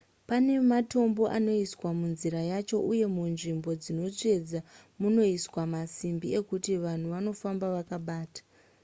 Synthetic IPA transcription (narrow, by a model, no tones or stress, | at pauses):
pane̞mato̞mbo̞ʔano̞iswamunziɾajat͡ʃo̞ʔuje̞munʐimbo̞d͡zino̞t͡ʂe̞d͡za | muno̞iswamasimbie̞kutiʋan̤uʋano̞fambaʋakaɓaːtḁ